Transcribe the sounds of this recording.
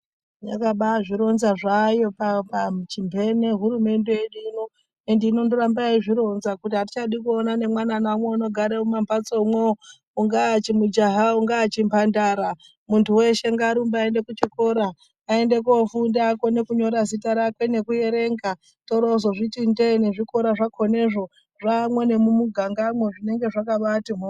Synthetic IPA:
jakaɓaʐiɾo̞nzaʐajo̞papat͡ʃimbʱe̞ne̞ɦuɾume̞nde̞jeɗino | endeino̞ndoɾambaiʐiɾo̞nzakutiɦati̥t͡ʃaɗikuonane̞mwananamweuno̞ɡʱaɾemumampat͡soumwe | uŋɡaːt͡ʃimud͡ʒaɦauŋɡaːt͡ʃimpandaːɾa | muntʰuwe̞ʃe̞ŋɡaːɾumbaaende̞kut͡ʃikoɾaː | e̞nde̞k̬ofundako̞ne̞kuɲo̞ɾazitaɾakwe̞ne̞kuje̞ɾe̞ŋɡa | to̞ɾozoʐitinde̞ne̞ʐiko̞ɾaʐakʰo̞ne̞ʐo̞ | ʐamwe̞ne̞mumuɡʱaŋɡamwe̞ʐine̞ŋɡe̞ʐakaʋatiɦo

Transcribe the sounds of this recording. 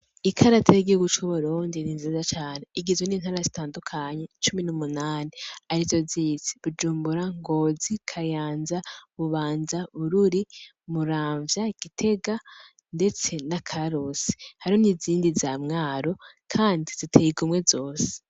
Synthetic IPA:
ikʰaɾatʰajiɡihuɡut͡ʃuβuɾuːndininzizat͡ʃaːne̞iɡizweniːn̥haːɾazitaːndukʰaɲe̞t͡ʃuminumunaːniaɾizo̞ziːt͡si̥βud͡ʒuːmbuɾaŋɡo̞ːzikʰajaːnzaβuβaːnzauɾuɾi | muɾaːɱvjaɡ̥itʰe̞ɡa | nde̞t͡se̞nakʰaɾose̥haɾioniziːndizaːmŋaːɾo̞ | kʰaːndiz̥itʰeiɡumŋwe̞zo̞ːse̥

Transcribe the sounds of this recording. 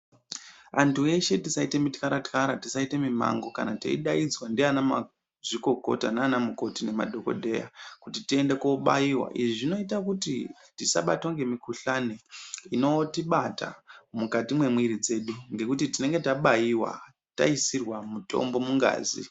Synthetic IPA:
antue̞ʃe̞tisaite̞mitkaɾatkaɾatisaite̞mima̰ŋɡo̞ka̰natḛḭɗaid͡zwandianama | ʐiko̞ko̞̰tanaːnamuko̞tine̞ma̰dʱo̞ko̞̰dʱe̞ja̰kutitie̞ndekoɓa̰jiwa̰ʔiʐiʐino̞itakuti | tisa̰ɓatwaŋɡe̞mikuɬaneino̞tiɓata̰mukatimwe̞mwiɾid͡ze̞ɗuŋɡe̞kutitine̞ŋɡe̞taɓajiwa̰ | ta̰isirwamutʰo̞̰mbo̞muŋɡa̰ːzḭ

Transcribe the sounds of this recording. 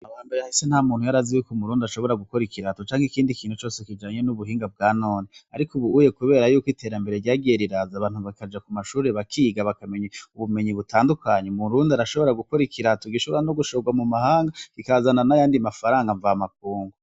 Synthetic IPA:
aβaːmbe̞ɾehahisen̥hamuːn̥hujaɾazijukomuɾuːndʃo̞βo̞ɾaɡuko̞ɾikiɾatot͡ʃaːŋikiːndikiːn̥hut͡ʃo̞ːsekid͡ʒaːɲe̞nuβuɦiːŋɡab̚ɡaːno̞ːneaɾikuβuuje̞kuβe̞ːɾajuːkite̞ɾambe̞ɾe̞ɾɟaːɡieɾiɾazaβaːnhuβakad͡ʒakumaʃuːɾe̞βakʰiːɡaβakame̞ɲeuβume̞ɲiβutʰaːndukʰaɲemuɾuːndiaɾaʃo̞βo̞ɾaɡuko̞ɾikʰiɾatoɡiʃo̞βo̞ɾano̞ɡuʃoɡwamumahaːŋɡakikaazananajaːndimafaɾaːŋɡaɱvamakuːŋɡo

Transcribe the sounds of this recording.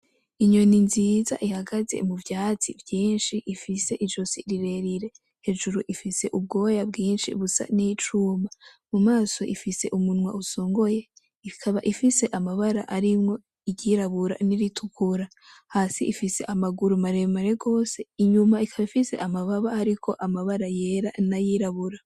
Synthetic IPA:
iɲo̞ninziːza̰ʔihaɡaze̞̰muvjaːt͡sivjiːnʃiʔifise̞ʔiʒosiɾiɾe̞ɾiɾe̞ | he̞ːʒuɾuʔifise̞ʔub̚ɡo̞ːjabɡiːnʃḭβusa̰nit͡ʃuːmbamumaːso̞ʔifise̞̰ʔumunwauso̞ːŋɡo̞je̞ | ikʰaβaʔifise̞ʔamaβaɾaʔaɾimŋo̞ | iɟiɾaβuɾa̰niɾitʰukuɾa | hasiʔifise̞ʔamaɡuɾumaɾe̞maɾe̞ɡo̞ːse̞iɲumaikʰaβaifise̞̰ʔamaβaβaaɾikʰo̞ʔamaβaɾaje̞ɾanajiɾaβuɾa

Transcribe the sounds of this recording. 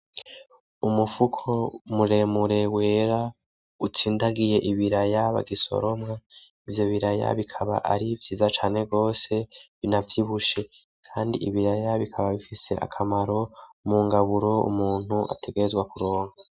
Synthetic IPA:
umufukʰo̞muɾe̞muɾe̞weːɾa | ut͡siːndaɡije̞ʔiβiɾajaβa̰ɡiso̰ɾo̞mŋa | ivjo̞βiɾaja̰βikʰaβa̰ʔa̰ɾivjiːzat͡ʃaːne̞ɡo̞ːse̞βinavjiβuʃe̞ | kʰaːndḭiβiɾajaβikʰaβaβifise̞̰ʔa̰kʰamaɾo̞muŋɡaβuɾo̞ṵmuːn̥huʔa̰tʰe̞ɡe̞ɾezɡwakuɾo̞ːŋɡa

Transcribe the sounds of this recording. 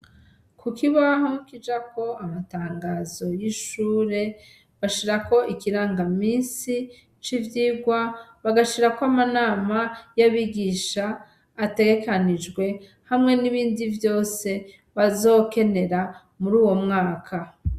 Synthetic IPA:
kukiβaɦokid͡ʒako̞amataːŋɡazo̞jiʃuːɾe̞ | βaʃiɾako̞ʔikiɾaːŋɡamiːnsi | t͡ʃivjiːɡwaβaɡaʃiɾakoamanaːmajaβiɡiːʃaː | te̞ɡe̞kanid͡ʒɡwe̞ | hamŋe̞niβiːndivjo̞ːse̞ | βazo̞ke̞ne̞ɾa | muɾuːwo̞mŋaːkʰa

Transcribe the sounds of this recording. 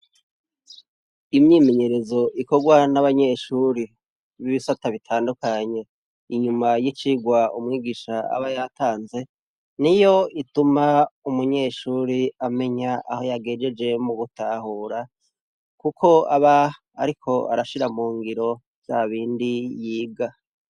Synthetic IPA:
imɲiːme̞ɲe̞ɾe̞zo̞ʔiko̞ɡwanaβaɲe̞ʃuːɾi | βiβisataβitʰaːndukaɲe̞ | iɲumajit͡ʃiɡwaumŋiːɡiʃaa̰βajatʰaːnze̞ | nijo̞itumaumuɲe̞ʃuːɾiame̞ɲaʔaho̞jaɡeːd͡ʒe̞d͡ʒe̞muɡutaːhuːɾa | kukʰo̞aβa | a̰ɾikʰo̞a̰ɾaʃiɾamuːŋɡiɾo̞ | z̥aβiːndijiːɡa

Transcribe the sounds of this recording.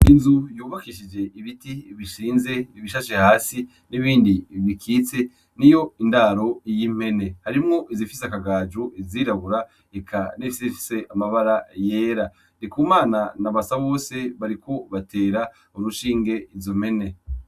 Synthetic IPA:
inzujuːβakiʃid͡ʒe̞ʔiβitiβiʃiːnze̞iβiʃaʃehaːsi | niβiːndiβikʰiːt͡se̞ | nijo̞indaːɾo̞ijim̥he̞ne̞haɾimŋo̞ʔizifiseakaɡaːd͡ʒuiziːɾaβuɾa | ekʰanifisifi̥se̞ʔamaβaɾaje̞ːɾa | nikuːmaːnanaβasaβo̞ːse̞βaɾiko̞βatʰe̞ːɾa | uɾuʃiːŋɡe̞izom̥e̞ne̞

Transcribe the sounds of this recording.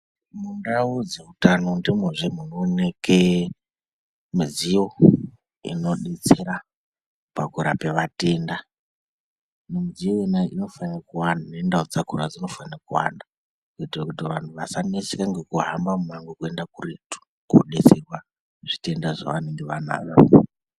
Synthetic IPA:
mundaud͡ze̞utano̞ndimeʐemunoneke | mizio̞ | ḭno̞ɗit͡seɾa | pakuɾape̞ʋate̞nda | mumzioenaʔino̞fanrakuwandanendaod͡zakurad͡zino̞fanrakuwa̰nda | ŋkoitirakutiʋantʰuʋasanesekaŋɡe̞kuɦambamumaŋɡekue̞ndakuretu̥ | kuɗesekwa | ʐ̥ite̞ndaʐa̰ʋane̞ŋɡeʋana̰ːɗa

